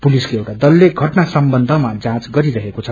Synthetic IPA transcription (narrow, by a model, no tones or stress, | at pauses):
puliskoewʈad̪ʌlːeɡʱʌʈnasʌmbʌnd̪ʱʌmad͡zãt͡sɡʌɾiɾʌɦekot͡sʰʌ